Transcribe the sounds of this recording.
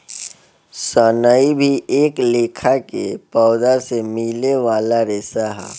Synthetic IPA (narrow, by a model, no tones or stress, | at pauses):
sənaibʱiʔeːkleːkʰakḛpɔːd̪asemileʋaːlaɾeːsaɦɛ̰ː